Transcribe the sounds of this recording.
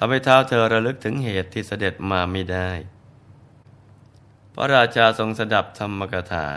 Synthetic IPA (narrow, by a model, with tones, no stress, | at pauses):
t̪ʰa˧mha˥˩jt̪ʰaː˦˥˩wt̪ʰɤː˧ɾa˧lɯ˦˥k̚t̪ʰɯ˩˦ŋɦeː˨˩t̪ʰːiː˥˩sa˧de˨˩t̪̚maː˧ma˥˩jdaː˥˩j | pʰɔ̰˥˩ɾaː˧t͡ɕʰaː˧so˧ŋsa˧da˨˩p̚t̪ʰa˧mːa˧ka˧t̪ʰa̰ː˩˦